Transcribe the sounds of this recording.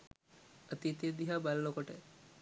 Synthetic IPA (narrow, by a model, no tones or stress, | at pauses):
ət̪it̪id̪iɦaːballokoʈə